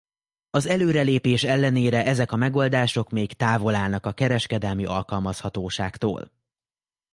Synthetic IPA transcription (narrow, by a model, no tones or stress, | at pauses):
ɒzɛløːɾɛleːpeːʃɛlːɛneːɾɛʔɛzɛkɒmɛɡo̞ld̪aːʃo̞kmeːkt̪aːvo̞laːlnɒkɒkɛɾɛʃkɛd̪ɛlmiʔɒlkɒlmɒshɒt̪oːʃa̰ːkt̪o̰ːl